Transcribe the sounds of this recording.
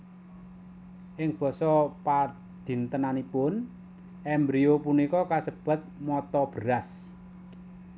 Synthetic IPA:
ʔɪŋb̥ɔ̤sɔpa | d̪̥i̤nt̪ənanipʊn | ʔɛmbɾiopunikɔkasəb̥a̤t̪̚mɔt̪ɔb̥əɾas

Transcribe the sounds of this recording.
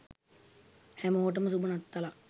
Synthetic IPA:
hæmoːʈ̬əməs̬ubunat̪ːala

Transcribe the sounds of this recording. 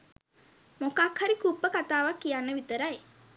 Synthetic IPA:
mokakhaɾikupːəkat̪aːʋakːijanːəʋit̪əɾaj

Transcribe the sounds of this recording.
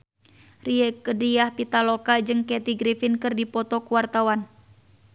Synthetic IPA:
riɛkədijahpit̪alɔkad͡ʒɨŋkɛt̪iɡɾifinkɨrdipɔt̪ɔkuwart̪awan

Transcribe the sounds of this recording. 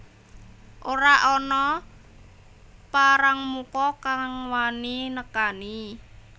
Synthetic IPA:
ʔoɾaʔɔnɔ | paɾaŋmukɔkaŋwaninəkani

